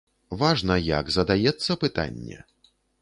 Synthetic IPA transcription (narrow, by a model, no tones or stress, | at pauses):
vaʐnɐja̰ɡzɐd̪ajɛt̪sːɐpɨt̪a̰nʲːɛ̰